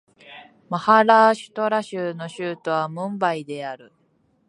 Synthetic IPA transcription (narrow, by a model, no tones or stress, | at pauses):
mahaɾaːɕɨ̥t̪o̞ɾaɕɨːno̞ɕɨːt̪o̞βamɯ̟̃mbaid̪e̞aɾɯ